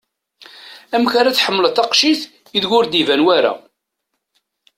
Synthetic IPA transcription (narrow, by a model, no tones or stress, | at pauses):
æmkaɾaθħəmːələθɑqʃiθ | iðʝʊɾd̪ivænwæɾæ̰